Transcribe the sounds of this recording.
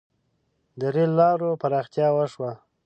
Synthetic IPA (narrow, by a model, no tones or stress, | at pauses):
d̪əɾelːɑɾopaɾɑxt̪jɑwəʂwa